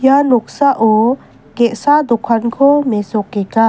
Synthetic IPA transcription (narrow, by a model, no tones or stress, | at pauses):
jalɔk̚saʔɔ | kɛʔsad̪ɔkʰankʰɔmɛsɔkːɛka